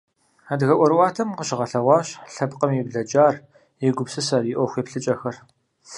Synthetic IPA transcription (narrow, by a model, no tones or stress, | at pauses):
adɣɐʔʷɔɾwʷɑːtʰɐmqəɕɪʁɐɬɐʁʷɑːɕɬɐbqʼəmibɮɐd͡ʒʼaːr | jɪɡʷʊpsɨsɐrɪʔʷɔxʷeːpɬɨt͡ʃʼɐxɐr